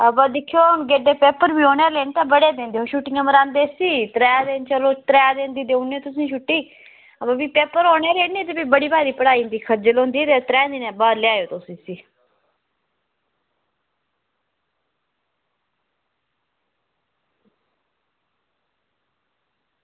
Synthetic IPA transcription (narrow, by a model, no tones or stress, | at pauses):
əbad̪ɪkʰːijoːɡeːɖeːpeːpəɾbiːoːneːleːnt̪abəɽeːd̪ẽːnd̪eːɦoʃuːʈɪ̃ŋɡəməɾãːnd̪eːsiːt̪ɾɛːad̪eːnt͡ʃəloːt̪ɾɛːad̪ẽːnd̪iːd̪eːunːeːt̪ʊs̬ĩːʃuʈːiː | əbabiːpeːpəɾɦoːɳeːleːniːt̪ebiːbəɽiːbaːɾiːpəɽaːind̪iːkʰəɾd͡ʒəlõːnd̪iːt̪et̪ɾɛːnd̪iːnɛ̃ːbaːd̪leaːjoːt̪oːsĩːsiː